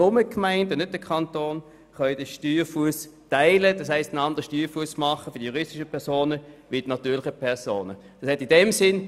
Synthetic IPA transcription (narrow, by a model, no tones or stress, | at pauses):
ʊməkmaɪntnnʏt̚d̥əkʰɑntoːn | χœdəʃtyːʁfuəstaɪləd̥ɑshaɪstənɑndəʁəʃtyːfuəsmɑχəfʏɐd̥ijuʁɪstɪʃəpʰɛɐsoːnəʋid̥inɑtyːlɪχəpʰɛɐsoːnə̥ɑshɛstindɛmsɪn